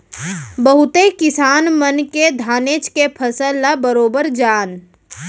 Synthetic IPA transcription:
bəɦʊt̪ekɪsaːnmənked̪ʱaːneːt͡ʃkepʰəsəlːabəɾoːbəɾd͡ʒaːn

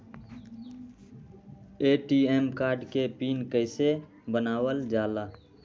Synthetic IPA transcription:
eːʈieːmkaːɾɖkepiːnkəɪse | bənaːwəld͡ʒaːlaː

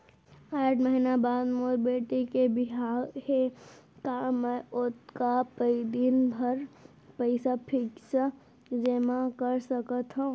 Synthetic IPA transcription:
aːʈʰməɦinabaːd̪moːɾbeːʈekebɪɦaːɾke | kamɛ̃ʊt̪kapəid̪ɪnbʱɐɾ | pəɪsapʰɪksa | zɪmakəɾsɐkət̪ɦã

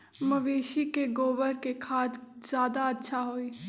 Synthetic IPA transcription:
mɐʋeːʃikeɡoːbəɾkekʰaːt̪z̥jaːd̪aɐtːʃʰaɦoːiː

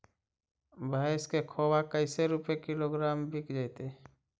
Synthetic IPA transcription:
bʱaːɪskekʰoːwakəɪseɾupekɪloɡɾaːmbʱɪkd͡ʒajt̪e

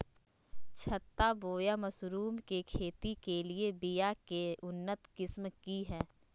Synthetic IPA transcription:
t͡ʃʰət̪ːaboːjamɐsɾuːmkekʰeːt̪ikeliebijakeʔʊnːət̪kɪsmkiɦɛː

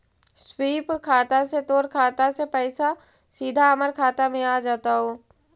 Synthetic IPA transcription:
swiːpkʰaːt̪aset̪oːɾkʰaːt̪asepɛɪsa | siːd̪ʱaəməɾkʰaːt̪amẽaːd͡ʒaːt̪aɦoː

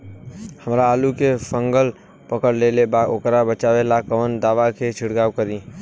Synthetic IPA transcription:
həmɾaːlukefʰə̃ŋɡəl | pəkəɽleːlebaokɾabət͡ʃaːʋelakəʋənd̪aːʋakʰet͡ʃʰɪɽɡaːwkəɾĩ

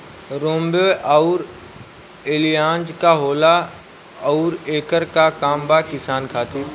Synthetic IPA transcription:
ɾõːmbeːʔaʊɾ | elijãːnd͡ʒkaɦoːla | ɐʊɾeːkəɾkakaːmbakɪsaːnkʰaːt̪ɪɾ

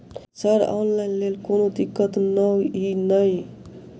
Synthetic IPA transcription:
səɾɔ̰nlajnlelkonod̪ikːət̪nəwinəj

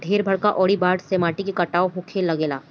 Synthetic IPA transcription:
ɖʱeːɾbʱɐɽkaʔɔːɽibaːɖseːmaːʈikekɐʈaːoɦʊkʰeːlːɐɡeːla̰ː

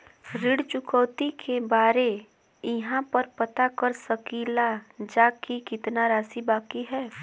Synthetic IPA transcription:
ɾɪɽt͡ʃʊkəːt̪ikʰebaːɾe | ɪɦãpəɾpɐt̪akəɾsəkiːlad͡ʒaːkikɪt̪naɾaːsibaːkiɦɛː

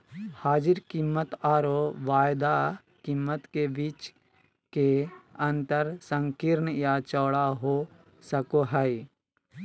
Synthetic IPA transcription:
haːd͡ʒɪɾkimːət̪aːɾoʋaːjd̪a | kimːət̪kebit͡ʃ | keɐ̃nt̪əɾsə̃ŋkiɾnjat͡ʃɔːɽaɦo | səkoɦəj

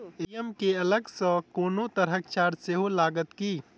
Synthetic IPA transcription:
ijəmkeɐləɡsə̃koːnot̪əɾəkt͡ʃaːɾseɦolaːɡət̪kiː

